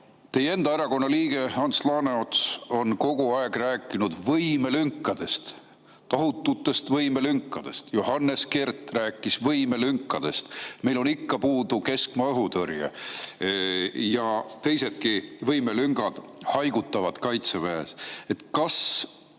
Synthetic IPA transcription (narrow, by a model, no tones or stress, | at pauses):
t̪e̞je̞nd̪̥ɑeɾɑko̞nːɑliːɡ̥e̞hɑnslɑːneot̪so̞nko̞ɡ̥uɑeɡ̥ræːkːˑinud̪vɤjme̞lyŋkːˑɑd̪̥e̞st̪ | t̪ɑɦut̪ːˑut̪ːˑe̞st̪vɤjmelyŋkːˑɑd̪̥e̞st̪johɑnːe̞ske̞rt̪ræːkːˑisvɤjme̞lyŋkːˑɑd̪̥e̞st̪me̞jlo̞nikːɑpuːd̪uke̞skmɑɤɦut̪ørjḛ | jɑt̪e̞jse̞d̪̚kivɤjmelyŋɡ̥ɑd̪̥hɑjɡut̪ːˑɑvɑd̪̥kɑjt̪sevæːse̞t̪kɑs